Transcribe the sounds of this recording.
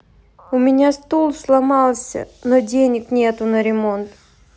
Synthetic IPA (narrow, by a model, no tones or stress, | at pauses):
ʊmʲɪnʲast̪olˠslˠɐmɑlˠsʲə̰nodʲenʲɪknʲet̪ʊnəɾʲɪmont̪